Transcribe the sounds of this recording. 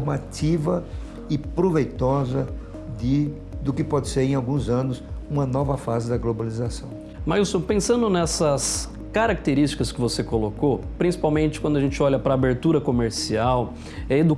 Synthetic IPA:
mat̪ivɐ | ɪpɾovejt̪ɔzɐ | d̪ɪ | d̪ʊkɪpɔd̪ɪseɾẽj̃awɡũzɐ̃nʊsũmɐnɔvɐfazɪd̪ɐɡlobalizasɐ̃w̃ | maɾusopẽsɐ̃nd̪ʊnɛsɐs | kaɾak̚t̪eɾist͡ʃi̥kɐskɪvosekolokopɾĩsi̥pawmẽnt͡ʃɪkwɐ̃d̪ʊɐʒẽnt͡ʃɪɔʎɐpɾɐːbeɾt̪uɾɐkomeɾsiaw | ɛed̪u

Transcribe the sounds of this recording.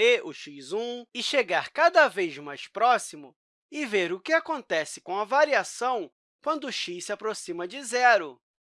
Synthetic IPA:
eʊʃizũɪʃeɡaɾkad̪ɐvejzmajspɾɔsimʊ | ɪveɾʊkɪakõnt̪ɛsɪ̥kõw̃ɐvaɾiasɐ̃w̃ | kwɐ̃nd̪ʊʊʃiʃsɪapɾosĩmɐd͡ʒɪzɛɾʊ

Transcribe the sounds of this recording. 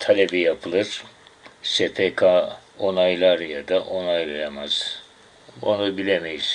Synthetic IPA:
t̪ʰalʲebijapʰɯlˠɯɾ̥ | sepʰekʰao̞najlˠaɾjad̪aʔo̞najlˠajamaz̥ | onubilʲemejis

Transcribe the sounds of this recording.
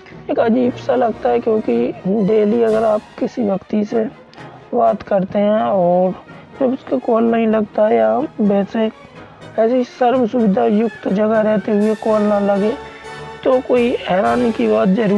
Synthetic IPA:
eːkɐd͡ʒiːbsalɐɡt̪aɦɛkjõːkiɖeːliɐɡəɾaːp̚kɪsiʋjəkt̪ise | baːd̪kəɾt̪eɦɛ̃ːɔːɾ | d͡ʒɐbʊskekɔːlnəɦĩlɐɡt̪aɦɛjabɛːse | ɛːsisəɾbsʊbɪd̪ʱajʊkt̪d͡ʒɐɡaɾɛɦt̪eɦʊekɔːlnalɐɡeːt̪okoːiɛːɾaːnikibaːt̪zəɾuː

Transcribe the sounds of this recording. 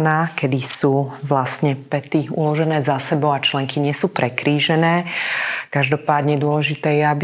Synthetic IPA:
naːkɛd̪isuːʋlasɲɛpɛt̪iṵlɔʒɛnɛːzasɛbɔʊat͡ʃlɛŋkiɲɪɛsuːpɾʔɛkɾiːʒɛnɛːkaʒd̪ɔpaːd̪ɲɛd̪ʊɔlɛʒit̪ɛːjɛabi

